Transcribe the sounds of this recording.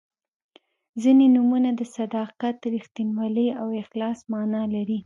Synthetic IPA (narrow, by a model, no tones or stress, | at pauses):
zinenumunad̪əsad̪ɑqat̪̚ːɾixt̪inwɑleawɪxlɑsmɑnɑlaɾi